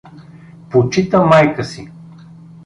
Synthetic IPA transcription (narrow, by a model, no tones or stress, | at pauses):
pot͡ʃit̪əmajkəsi